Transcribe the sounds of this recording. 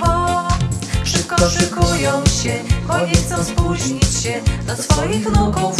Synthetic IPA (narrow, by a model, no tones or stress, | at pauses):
ɔ | ʂɨp̚kɔʂɨkujɔ̃w̃ɕɛxɔjɲɛxt̪sɔ̃w̃spuʑɲit͡ɕɕɛd̪asfɔjixnɔkɔwf